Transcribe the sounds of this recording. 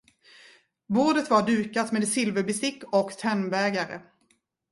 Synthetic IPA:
boːɖət̪vaɖʉ̟ːkat̪meːd̪sɪlvəɾbʏst̪ɪkːɔkt̪ʰɛnːbɛːɡaɾə̰

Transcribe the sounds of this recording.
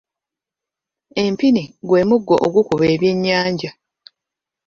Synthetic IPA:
e̞mpiniɡwe̞ːmuɡːo̞ʔoɡukuβe̞ːβje̞ɲːaːɲɟa

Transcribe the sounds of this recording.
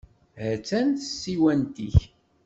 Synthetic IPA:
hət͡sːænt̪ə̥sːiwænt̪iç

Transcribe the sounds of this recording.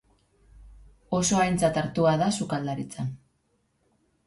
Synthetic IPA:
o̞so̞ajnt͡sat̪aɾt̪uaðasukald̪aɾit͡san

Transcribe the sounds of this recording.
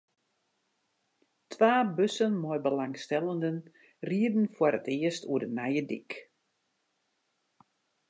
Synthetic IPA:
tʰʋaːbøsənmɔjbəlaŋstɛlˠəndən | riədn̩fwəɾətɪəstuədənɛjədik

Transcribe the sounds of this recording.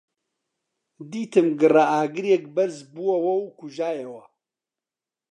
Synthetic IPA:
d̪iːt̪ɨmɡɨraʔaːɡɨɾjɛk̚bɐɾzbuwɐwɐwkuʒaːjewɐ

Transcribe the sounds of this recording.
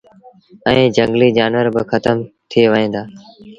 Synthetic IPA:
ɛ̃ːd͡ʒəŋɡliːd͡ʒaːnʋəɾbɪxʰət̪əmt̪ʰɪeːʋəẽːd̪aː

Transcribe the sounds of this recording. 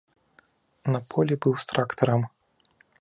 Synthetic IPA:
nɐpʰɔlʲibɨwst̪ɾakt̪ɐɾɐm

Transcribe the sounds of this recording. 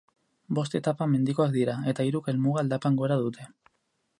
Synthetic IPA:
bo̞st̪e̞t̪apame̞nd̪iko̞akd̪iɾae̞t̪aiɾuke̞lmuɣ̞ald̪apaŋɡo̞ɾaðut̪ʰe̞

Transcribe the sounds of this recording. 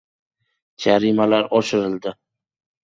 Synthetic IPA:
d͡ʒaɾimalaɾɒʃɪɾɪld̪ɪ

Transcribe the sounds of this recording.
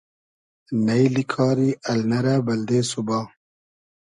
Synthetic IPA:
nɐjlikʰɑːɾiʔɐlnɐɾabɐld̪eːsubaː

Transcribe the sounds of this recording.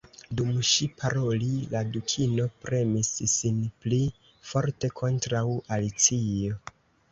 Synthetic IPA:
dumʃipʰaɾo̞liladukʰino̞pɾe̞misːinpli | fo̞ɾte̞kʰo̞ntɾawalit͡sio̞

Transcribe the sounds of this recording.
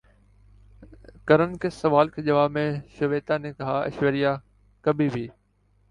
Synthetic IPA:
kɐɾənkʰeːsɐʋaːlkʰeːʄɐʋaːmẽʃɐʋeːt̪ãːnẽːkɦaːɐ̰ʃʋəɾija | kɐbʱibʱiː

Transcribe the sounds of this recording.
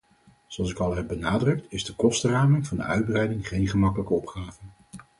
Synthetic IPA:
zoɑlˠs̬ɪkɑlˠɦɛb̚bənaːdrɵk̚tɪzdəkɔstəraːmənv̥ɑndə̰œ̰ɥd̚brɛjdɪŋχejnχəmɑkələkəɔpχaːvən

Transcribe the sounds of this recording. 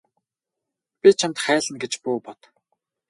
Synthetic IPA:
pʲit͡ɕʰamt̪χæːɮə̆nɡet͡ɕpʊːpɔt̪

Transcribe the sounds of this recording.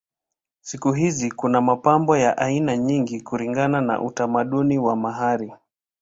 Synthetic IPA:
sikuɦizikunamapambɔjaʔainaɲiŋɡikuliŋɡanana̰ʔutamaɗuniwamaɦaɾi

